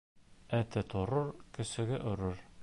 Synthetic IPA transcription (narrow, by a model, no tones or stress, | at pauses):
æt̪ɘt̪oɾɤɾkɵ̆sɘ̆ɡɘʔɵ̆ɾɘɾ